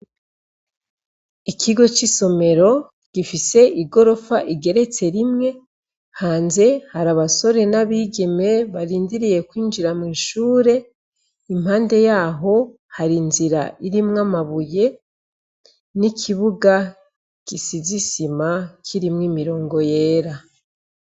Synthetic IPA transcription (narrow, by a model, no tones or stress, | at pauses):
ikʰiɡo̞t͡ʃiso̞me̞ɾo̞ | ɡ̥ifise̞ʔiɡo̞ɾo̞faʔiɡe̞ɾe̞t͡se̞ɾimŋe̞ | haːnze̞haɾaβaso̞ɾe̞naβiːɡeme̞βaɾiːndiɾije̞kwiːnd͡ʒiɾamŋiːʃuːɾe̞ | imaːnde̞jaːɦo̞ | haɾinziɾa̰ʔiɾimŋamaβuje̞ | nikʰiβuɡa | kisizisimakʰiɾimŋiːmiɾo̞ːŋɡo̞je̞ːɾa